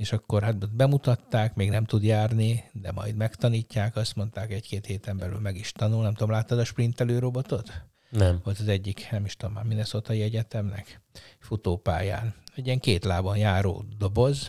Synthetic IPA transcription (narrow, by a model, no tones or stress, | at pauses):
eːʃɒkːo̞rɦat̪bɛmut̪ɒt̪ːaːkmeːɡnɛmt̪ud̪jaːrnid̪ɛmɒ̰jd̪mɛkt̪ɒniːcːaːkɒst̪mo̞nt̪aːkɛckeːt̪heːt̪ɛmbɛly̰lmɛɡiʃt̪ɒnulnɛmt̪uomlaːt̪ːɒd̪ɒʃprint̪ɛløːɾo̞bo̞t̪o̞t̪ | nɛvo̞lt̪ɒzɛɟːiknɛmiʃt̪omːaːminɛsot̪ɒiɛɟɛt̪ɛmnɛ̰kfut̪oːpa̰ːja̰ːnɛɟiɛŋkeːt̪laːbonjaːɾo̰ːd̪o̞bo̞z